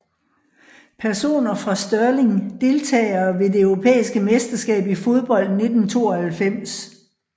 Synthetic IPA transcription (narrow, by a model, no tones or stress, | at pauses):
pʰæɐso̝̰ːnɐfʁɑ̈sd̥ɶɐle̝ŋd̥e̝lt͡sʰɛ̰ːɪɐʋe̝de̝œʊʁo̝pʰḛːisɡ̥əmesd̥ɐsɡ̥ɛ̰ːb̥ifo̝ð̞ˠb̥ɒ̽l̰d̥ne̝d̥n̩t͡sʰo̝̰ːɒhælfem̰s